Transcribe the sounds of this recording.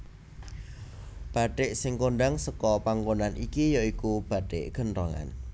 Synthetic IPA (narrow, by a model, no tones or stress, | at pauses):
b̥a̤ʈɪʔsɪŋkoɳɖaŋsəkɔpaŋɡonanʔikijɔikub̥a̤ʈɪ̰ʔɡ̥ə̤nrɔŋa̰n